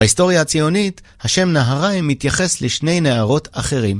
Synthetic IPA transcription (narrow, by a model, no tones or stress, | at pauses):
aisto̞ʁjaat͡sijo̞nit | haʃe̞mnaɦaʁajmːit̪jaχe̞sleʃne̞jneaʁo̞tʰaχe̞ʁim